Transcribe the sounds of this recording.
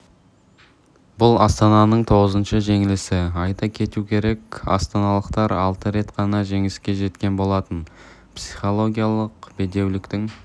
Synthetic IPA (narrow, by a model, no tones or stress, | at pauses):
bʊlˠɑst̪ɑnɑnəɴt̪ʰo̞ʁəzənʃəʒe̞ŋɪlɪsɪɑjt̪ɑkʲʰe̞t̪ukʲʰe̞ɾe̞kʲɑ̰st̪ɑnɑlˠəqt̪ɑɾɑlˠt̪əɾe̞t̪qʰɑnɑʒe̞ŋɪskʲe̞ʒe̞t̪kʲe̞nbo̞lˠɑt̪ən | psi̥χo̞lˠo̞ɡʲijalˠəqbe̞d̪e̞wlɪkt̪ɪŋ